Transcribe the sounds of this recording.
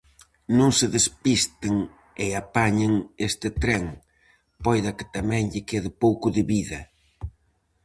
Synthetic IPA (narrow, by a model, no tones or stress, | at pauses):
nõŋsɪðespist̪ɪŋ | eapaɲɪŋest̪ɪt̪ɾɛŋ | pɔjðɐkɪ̥t̪amɛ̃ŋʎɪkeðɪpowkʊðɪβiðɐ